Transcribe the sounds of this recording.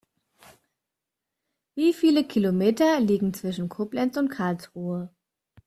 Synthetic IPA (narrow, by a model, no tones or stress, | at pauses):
viːfiːləkʰilomeːtɐliːɡŋ̩t͡sv̥ɪʃn̩kʰʊplɛnt͡sʊntkʰaɐlsʁuːə